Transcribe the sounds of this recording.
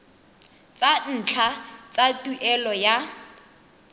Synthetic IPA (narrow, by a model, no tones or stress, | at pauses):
t͡sʼan̩t͡ɬʰat͡sʼatʼuʔɛlɔja